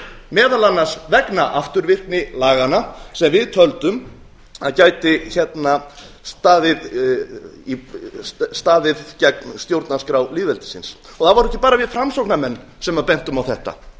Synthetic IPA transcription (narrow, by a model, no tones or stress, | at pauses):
mɛːðalanːasvɛknaʔaft̪ʏɾvɪr̥knɪlaːɣanasɛmvɪðt̪ʰœlt̪ʏm | aðcaːjt̪ɪçɛt̪na | st̪aːðɪð | i | st̪aːðɪðcɛknst̪jowɾt̪naskɾawliːvɛlt̪ɪ̥sɪns | ɔɣθavaɾɛhcːɪ̥paːɾavɪðfɾamsowknamɛnː | sɛmaðpejn̥t̪ʏmawθɛht̪a̰